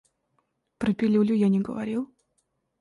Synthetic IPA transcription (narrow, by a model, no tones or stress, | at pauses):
pɾəpʲɪlʲulʲʊjanʲɪɡə̰vɐɾʲilˠ